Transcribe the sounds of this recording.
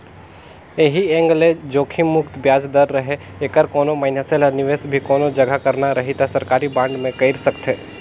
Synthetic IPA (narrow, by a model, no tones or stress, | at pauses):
eɦiẽːŋɡled͡ʒoːkʰimʊkt̪bjaːd͡ʒd̪əɾːɐɦe | eːkəɾkoːnõmaɪnjaselanɪʋeːsbʱikoːnod͡ʒɐɡʱakɐɾnaɾɐɦit̪asɐɾkaːɾibãːɳɖmẽkɐɪɾsəkt̪ʰeː